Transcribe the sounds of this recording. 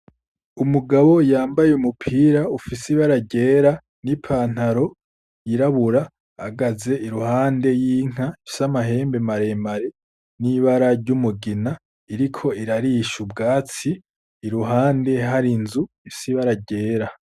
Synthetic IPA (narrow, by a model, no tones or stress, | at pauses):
umuɡaβo̞jaːmbajeumupʰiːɾaufisiβaɾaɟe̞ːɾa | nipʰaːn̥haɾo̞ | jiɾaβuɾaː | ɡaze̞iɾuhaːnde̞jiːŋ̥aisamaɦe̞ːmbe̞maɾe̞mbaɾe̞ | niβaɾaɾɟumuɡina | iɾikʰo̞iɾaɾiʃubɡaːt͡siː | ɾuɦaːnde̞ɦaɾinzufisiβaɾaɟe̞ːɾa